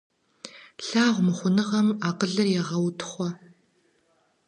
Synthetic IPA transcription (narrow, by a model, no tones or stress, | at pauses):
ɬaːʁʷmɨχʷʊnɨʁɐmaːqəɮɐrjɛʁɐwtʰχʷɔ